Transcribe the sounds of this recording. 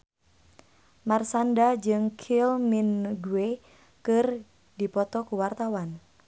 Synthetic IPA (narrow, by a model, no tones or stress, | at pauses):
marsandad͡ʒɨŋkʰilminɡue | kɨr | dipɔt̪ɔkuwart̪awan